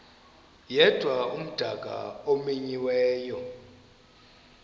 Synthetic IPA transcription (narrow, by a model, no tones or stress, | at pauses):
jɛd̥ʱwaum̩d̥ʱaɡ̥ʼʱa̰omiɲiwɛːjɔ